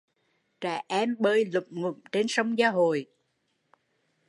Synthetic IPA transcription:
t͡ɕa̰ː˧˩ʔɛ˧mɓəː˧˩jlʊ̰˧˨˩k͡p̚ŋʊ̰˨˧˩ŋ͡mt͡ɕe˧nsə˧wŋ͡mzaː˧ɦo̰˧˨j

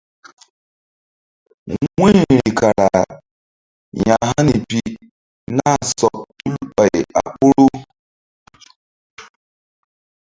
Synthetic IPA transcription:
ŋʷe˦˨ɾi˨ka˨ɾa˨ | ɲa˨ɦa˦ni˨pi˦ | na˦˨sɔ˨tu˦lu˦k͡pa˨a˨k͡pʊ˦ɾʊ˦

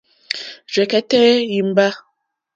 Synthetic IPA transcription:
d͡ʒwɛ˨kɛ˦tɛ˦ji˨m˦ba˦

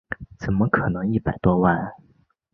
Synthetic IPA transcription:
t͡sə˨˩mə˥kʰɤ˨˩nɤ˧˥ŋi˥˩pa˨˩ɪt̪wɔ˥wa˥˩

